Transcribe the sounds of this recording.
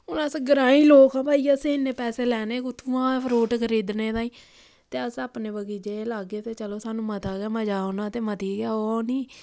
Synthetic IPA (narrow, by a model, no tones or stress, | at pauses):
ʊnãːsẽɡəɾãːĩːloːkãːbʱaːiːasẽːɪnːeːpɛːseːlɛːneːkʊt̪ʰuãːɾoːʈkəɾiːd̪neːd̪aːiː | t̪eːəsaːpneːbəɡiːd͡ʒeːlaɡeːt̪eːt͡ʃəloːsaːnũːmət̪aːɡeːməd͡ʒaːonãːt̪eːmət̪iːɡaːoniː